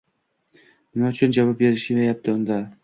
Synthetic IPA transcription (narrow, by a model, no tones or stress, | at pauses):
mɪnaʊt͡ʃʰʊnd͡ʒavap̚be̞ɾɪʃɪejap̚t̪ʰɪʊnd̪a